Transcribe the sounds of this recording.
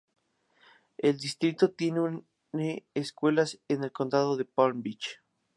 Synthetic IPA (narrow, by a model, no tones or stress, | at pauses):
e̞ld̪ist̪ɾit̪o̞t̪je̞neu | neːskwe̞lasene̞lko̞nd̪aðoðe̞poɾmbit͡ʃ